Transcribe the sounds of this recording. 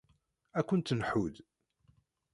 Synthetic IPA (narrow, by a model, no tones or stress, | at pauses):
ækʷːʊnt̪nħuð